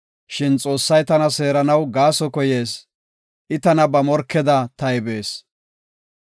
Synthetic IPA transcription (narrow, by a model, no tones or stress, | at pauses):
ʃɪnt͡sʼo̞ːsːɐjt̪ɐnɐse̞ːɾɐnɐwɡaːsɔkɔje̞ːs | ʔɪt̪ɐnɐbɐmɔɾkʰːɛd̪ɐt̪ɐjbe̞ːs